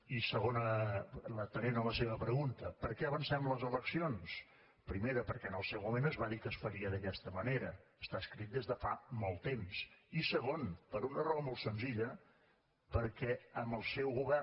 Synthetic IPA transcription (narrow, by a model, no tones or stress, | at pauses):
isəɣonələt̪ənenələseβəpɾəɣunt̪əpəɾkɛəβənsɛmləzələksions | pɾimeɾəpəɾkɛənəlˠsɛwmuβenəzβaðikəsfəɾiəðəkɛst̪əməneɾəəst̪aəskɾit̪̚d̪ezðəfa̰mɔlˠt̪emsisəɣonpəɾunərɔβəmolˠt̪sənziʎə | pəɾkɛəmbəlˠsɛwɣuβɛr